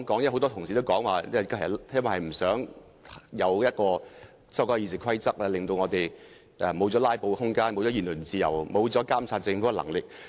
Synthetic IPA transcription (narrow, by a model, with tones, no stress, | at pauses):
kɔː˨˥ŋjɐ˥ɦo˨˥wt̪ɔː˥t̪ʰʊ˨˩ŋsiː˨t̪o˥wkɔː˨˥ŋwaː˨˩˥kʰːwɐ˨˩hɐ˨jm̩˨˩sœː˨˥ŋ | jɐ˨˧wjɐ˥t̚kɔː˧ | sɐ˥wkɔː˧˥˧iː˨˧˩sɪ˨kʰwɐ˥jt͡sɐ˥k̚lɛː˧lɪ˨ŋt̪o˧wŋɔː˨˧t̪e˨j | ʔɛ˧˩mo˨˧wt͡sɔː˨˥laː˥jpo˨˧whʊ˥ŋkaː˥nmo˨˧wt͡sɔː˨˥iː˨˩nlɵ˨˩nt͡siː˨˧jɐ̰˨˩wmo˨˧wt͡sɔː˨˥kaː˥msʰaː˧˩t̚t͡sɪ˧ŋfu˨˥ɛ˥˨lɐ̰˨˩ŋlɪ˨k̚